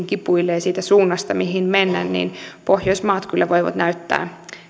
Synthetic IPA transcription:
ŋkipuilːejsiːt̪æsuːnːɑst̪ɑmiɦinmenːæ̰nnḭːnpohjoismɑːt̪kylːæʋoiʋɑ̰t̪næyt̪ːæ̰ː

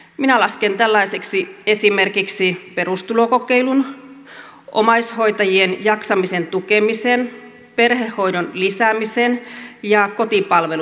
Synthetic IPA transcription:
minælɑskent̪ælːɑiseksiesimerkiksiperust̪ulokokeilun | ʔomɑisho̞it̪ɑjienjɑksɑmisent̪ukemisen | perhehːo̞idonlisæmisenjɑkot̪ipɑlʋel

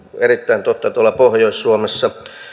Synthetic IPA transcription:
erit̪ːæint̪ot̪ːɑt̪uolːˑɑpohjoissuomesːɑ

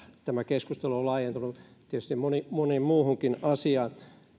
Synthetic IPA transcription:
t̪æmækeskust̪eluolɑːjent̪unut̪iet̪y̥st̪imonimonimmuːhuŋkinɑsiɑ

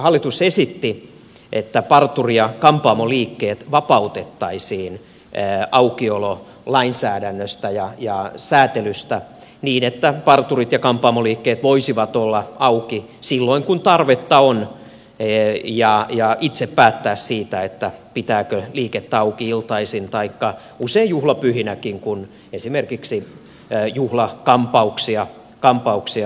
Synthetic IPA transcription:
hɑlːit̪usesit̪ːi | ʔet̪ːæpɑrt̪urijɑkɑmpɑːmoliːkːeːt̪ʋɑpɑut̪et̪ːɑisiːnː | ɑukiolo | lɑinsæːdænːøst̪æjɑjɑsæːt̪elyst̪æ | niːnet̪ːæpɑrt̪urit̪jɑkɑmpɑːmoliːkːeːt̪ʋoisiʋɑt̪olːɑɑuki | silːoiŋkunt̪ɑrʋet̪ːɑon | jɑjɑʔit̪seppæːt̪ːæːssiːt̪æet̪ːæpit̪æːkøliːket̪ːæɑukiilt̪ɑisint̪ɑikːɑ | useijjuhlɑpyhinækiŋkun | esimerkiksi | juhlɑkɑmpɑuksiɑ | kɑmpɑuksiɑ

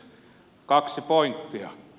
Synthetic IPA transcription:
kɑksipoint̪ːiɑ

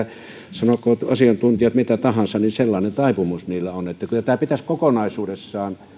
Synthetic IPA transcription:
sɑnokoːɑsiɑnt̪unt̪ijɑt̪mit̪æt̪ɑhɑnsɑninselːɑˑːnent̪ɑˑipumusniːlːæonet̪ːækylːˑæt̪æːpit̪æskokonɑisuːdesːɑːn

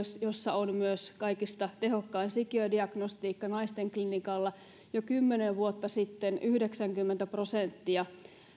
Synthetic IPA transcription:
sjosːɑonmyøskɑikist̪ɑt̪ehokːɑinsikiødiɑɡnost̪iːkːɑnɑist̪eŋklinikɑlːɑ | jokymːeneʋʋuot̪ːɑsit̪ːenʔyhdeksæŋkymːent̪æprosent̪ːiɑ

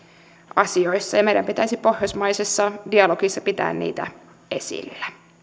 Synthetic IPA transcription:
ɑsio̞jsːɑjɑmejdæmpit̪æjsipo̞hjosmɑjsesːɑdiɑlo̞ɡisːɑpit̪æ̰ːnnḭːt̪æ̰ | e̞̰sḭlːæ

